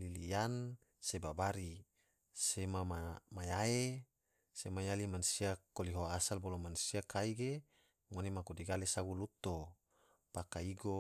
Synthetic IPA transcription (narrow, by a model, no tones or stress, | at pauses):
lilijan | sebabaɾi | semamamajae | semajalimansiakoliɦoasalbolomansiakaiɡe | ŋonemakodiɡalesaɡulut̪o | pakaiɡo